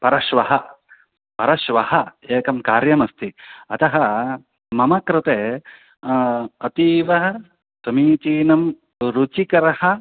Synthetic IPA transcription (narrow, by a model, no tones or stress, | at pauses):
pɐɾɐʃʋɐɦɐ | pɐɾɐʃʋɐhɐeːkɐmkaːɾjɐmɐst̪ʰiɐt̪ɐɦɐ̆ | mɐmɐkɾɪt̪eː | ɐt̪iːʋɐɦɐ | sɐmiːt͡ʃiːnɐm | ɾut͡ʃikɐɾɐhɐ̆